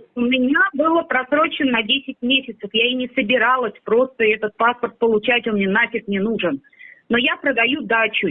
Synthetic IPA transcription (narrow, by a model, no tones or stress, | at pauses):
ʊmʲɪnʲabɨlˠəpɾɐsɾo̞t͡ɕɪnnɐdʲesʲɪtʲmʲesʲɪt̪səfjaɪnʲɪsəbʲɪɾalˠəsʲpɾo̞st̪əɛt̪ət̪̚paspərt̪̚pəlˠʊt͡ɕætʲonmnʲenat͡ɕʲɪt̪nʲɪnuʐɨn | no̞japɾəd̪ɐjud̪at͡ɕʊ